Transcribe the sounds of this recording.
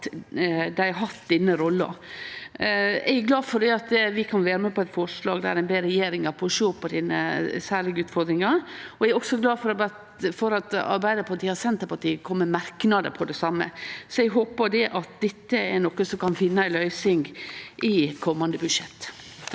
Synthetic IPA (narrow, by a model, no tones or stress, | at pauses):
d̪æɪɑɦɑt̪d̪ɪnːəɾɔlːə̰ | ɛɡlɑːfɔɖ̪ɛɑt̪ʋɪkʰɑnʋæːɾəmɛpɔɛt̪fɔɾʂlɑːɡd̪ɛæ̰ɾæɪnbeːɾɛjeːɾɪŋɑɾpʰɔʂoːpʰːɔd̪ɪːnəsæːɾɭɪɡəʉːt̪fɔɾd̪ɾɪŋɑɾɔɛɾɔksɔɡlɑːfɔɾɑbɑt̪ | fɔɾɑt̪ɑ̰ɾbæɪd̪əpʰɑt̪ʰiːhɑsɛnt̪ːəpɑt̪iːkʰɔmːəmɑɾknɑd̪ə̰pʰɔd̪ɛsɑmːə̰sɔɛɡɦoːpəd̪ɛʔɑt̪̚d̪ɛt̪ːəɛnɔkːəsɔmkʰɑnfɪnːəæɪlœʏsɪŋɡʔɪkʰɔmːɑnd̪əbʉʂɛt̪ː